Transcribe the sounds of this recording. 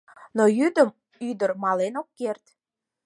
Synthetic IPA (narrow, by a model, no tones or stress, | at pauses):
nojyd̪əm | yd̪ərmɑlenokːert̪